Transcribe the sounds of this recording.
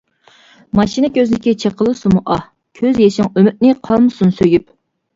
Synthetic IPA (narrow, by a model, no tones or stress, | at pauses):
mɑʃinɪkʲʰøznɪkʲit͡ʃʰeqʰəlˠɨsumuʔɑh | kʲʰøzjeʃɪŋømyt̪̚nɪqʰɑlˠmɨsunsøjyp̚